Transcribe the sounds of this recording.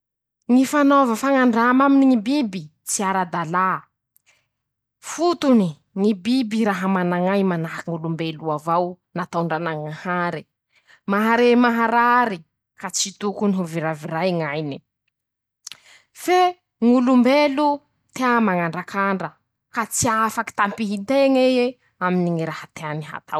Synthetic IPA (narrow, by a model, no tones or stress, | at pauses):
ŋifanovəfaŋaɳɖ͡ʐamaminiŋibibi | t͡siaɾad̪ala | fut̪uni | ŋibibiɾaɦəmanaŋajmanaɦkiŋulumbeluavaw | nat̪awɳɖ͡ʐanaŋahaɾi | maɦaɾemaɦaɾaɾi | kat͡sit̪ukuniɦuviɾaviɾajŋajni | fe | ŋulumbelu | t̪eamaŋaɳɖ͡ʐakaɳɖ͡ʐə | kat͡siafaki̥t̪ampiɦit̪eŋeje | aminiŋiɾahat̪eaniɦa̰t̪ʰa̰w